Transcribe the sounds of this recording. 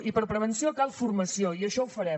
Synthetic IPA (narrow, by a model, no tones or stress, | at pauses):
ipəɾpɾəβənsiokalˠfuɾməsioiəʃɔwfəɾɛm